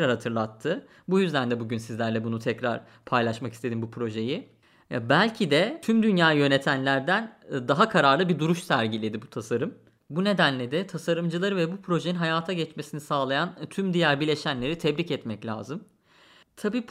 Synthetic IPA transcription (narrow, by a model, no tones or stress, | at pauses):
ɾaɾhat̪ʰɯɾlˠat̪ʰːɯ | bujyzd̪ʲænd̪ɛbuɟynsizlʲæɾlʲɛbunut̪ʰɛcɾaɾ̥ | pʰajlˠaʃmaki̥st̪ʰed̪imbupʰɾo̞ʒe̞ji | bælʲcʰid̪ɛt̪ʰymd̪ynjaːjø̞ne̞t̪ʰænlʲæɾd̪ænd̪aɦakʰaɾaɾlˠɯbid̪uɾuʃsæɾɟilʲe̞d̪ibut̪ʰasaɾɯm | bune̞d̪ænlʲed̪ɛt̪ʰasaɾɯmd͡ʒɯlˠaɾɯvɛbupʰɾo̞ʒejinɦajaːt̪ʰaɟɛt͡ʃmesinisaːlˠajant̪ʰymd̪ijæɾbilʲe̞ʃænlʲe̞ɾit̪ʰɛbɾicɛt̪mɛclʲa̰ːzɯm | t̪ʰabiː